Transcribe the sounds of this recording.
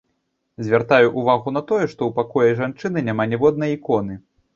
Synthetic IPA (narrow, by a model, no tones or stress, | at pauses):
zʲvʲart̪ajuʔuvaɣunɐt̪ɔjɛʂt̪ɔwpakɔjɐʐant͡ʂɨnɨnʲamanʲɛvɔd̪̚nɐjikɔnɨ